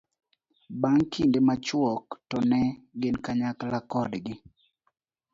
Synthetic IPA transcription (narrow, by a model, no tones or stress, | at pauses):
baŋkʰindemat͡ʃwɔktɔnɛɡɪnkaɲaklakɔdɡɪ